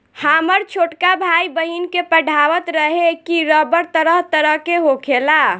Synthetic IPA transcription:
haməɾt͡ʃʰoʈkabʱaibəɦinkepəɖʱawət̪ɾəɦekiɾəbəɾt̪əɾəɦt̪əɾəɦkeɦokʰela

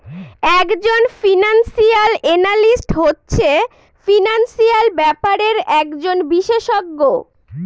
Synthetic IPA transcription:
ɛkd͡ʑonfinansialenalisʈɦotːɕʰe | finansialbɛpaɾeɾɛkd͡ʑonbiʃeʃɔɡːo

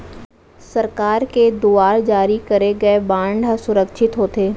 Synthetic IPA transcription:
sɐɾkaːɾked̪uaːɾd͡ʒaːɾikɐɾeɡɐebãːɳɖʱɦsʊɾəkʃʰɪt̪ɦoːt̪eː

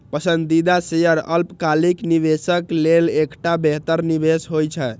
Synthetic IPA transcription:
pəsənd̪id̪asejəɾə̰lpkalikniβesəklelekʈabeɦt̪əɾnibesɦojt͡ʃʰɛ

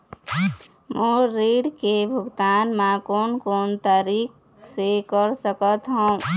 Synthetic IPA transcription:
moɾiɖkebʱuɡt̪anmãkonkont̪aɾik | sekəɾsəkət̪ɦõ

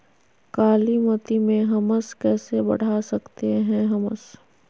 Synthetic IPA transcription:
kaːlimɐt̪imẽɦɐməskɛːsebɐ̰ɽ̤asɐkt̪eɦɛ̃ɦɐməs

